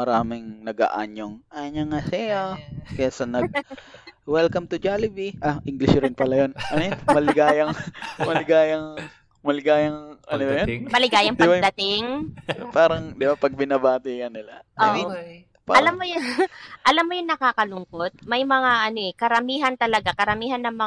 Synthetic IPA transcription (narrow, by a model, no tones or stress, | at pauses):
mɐɾaːmɪŋnɐɡɐ̰ʔa̰ɲoŋʔaɲɐŋasɛjakɐjasɐnɐɡ̚ | wɛlkɐmt̪ʊd͡ʒalɪbiʔaʔɪŋɡlɪʃɾɪnpɐlajonɐnɛmɐlɪɡaːjɐŋmɐlɪɡaːjɐŋ | mɐlɪɡaːjɐŋʔɐ̰nonɐjonmɐlɪɡaːjɐŋd̪ɐd̪ɐt̪ɪŋpaːɾɐŋd̪ɪbapɐɡ̚bɪnɐbaːt̪ɪkɐnɪlaʔoʔ | paɐlamːojʔɐlamːojʊŋnɐkaːkɐlʊŋkot̪̚mɐjmɐŋaʔɐno̞ʔɛkɐɾɐmiːɦɐnt̪ɐlɐɡakɐɾɐmiːɦɐnːɐŋmɐ